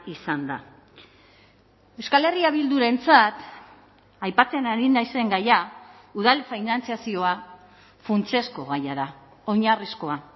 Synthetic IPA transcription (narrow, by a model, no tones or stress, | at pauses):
isand̪a̰ | e̞wskale̞riaβ̞ild̪uɾe̞nt͡sat̪ | ajpat͡senaɾinajse̞ŋɡaja | uðalfajnant͡siasio̞a | funt͡se̞sko̞ɣajaða | o̞ɲarisko̞a